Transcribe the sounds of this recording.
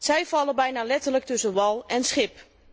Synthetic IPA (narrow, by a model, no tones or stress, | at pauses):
sɛjvɑləbɛjnaːlɛtərlək̚tɵsənʋɑlˠɛnsχɪp